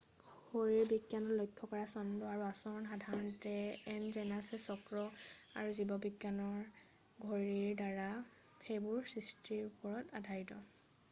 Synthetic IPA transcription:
hoɹiɹbiɡjanɔlɔjkʰːɔkɔɹasɔndɔaɹuasɔɹɔnxadʱaɹɔntɛɛnzɛnasɛsɔkɹɔaɹuzibɔbiɡjanɔɹ | ɡʱɔɹiɹdaɹa | xejbʊɹsɹistʰiɹupɔɹɔtadʱajtɔ

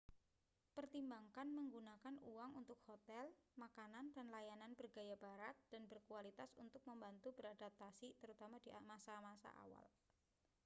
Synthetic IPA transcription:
pərt̪imbaŋkanməŋɡunakanuwaŋunt̪ʊk̚hot̪ɛlmakanandanlajananb̥ərɡajabaɾat̪̚d̥anbərkualit̪asunt̪ʊk̚məmbant̪ubəɾadap̚t̪asit̪əɾut̪amadiʔamasamasa̰ʔa̰wa̰l

